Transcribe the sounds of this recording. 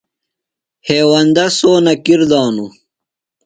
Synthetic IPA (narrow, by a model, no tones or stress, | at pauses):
heːwɐnd̪ɐsoːnɐkiɾd̪ɑːnu